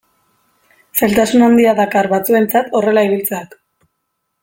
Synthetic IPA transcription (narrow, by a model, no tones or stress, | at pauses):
se̞lt̪asunand̪iaðakarβat͡sue̞nt͡sat̪o̞re̞laiβilt͡seak